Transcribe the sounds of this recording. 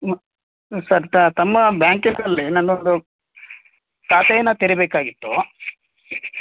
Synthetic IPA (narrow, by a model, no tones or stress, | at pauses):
m | sɐɾt̪ɐt̪ɐmːɐbjaːŋkiŋɾɐlːinɐnond̪u | t̪aːt̪ɐjɐnːɐt̪iɾibeːkaːɡit̪ːu